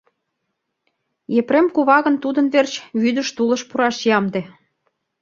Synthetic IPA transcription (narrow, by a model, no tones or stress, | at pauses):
jepremkuβɑɣə̆nt̪ud̪ə̆nβert͡ɕβyd̪ə̆ʃt̪ulə̆ʃpuɾɑʃjɑmd̪ĕ